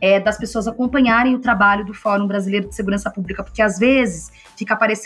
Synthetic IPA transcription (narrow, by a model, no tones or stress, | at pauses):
ɛd̪ɐspesoɐzakõpɐ̃ɲaɾẽj̃ʊt̪ɾabaʎʊd̪ʊfɔɾũbɾazilejɾʊd͡ʒɪseɡuɾɐ̃sɐpublikɐpoɾkɪazvezɪs | fikɐapaɾes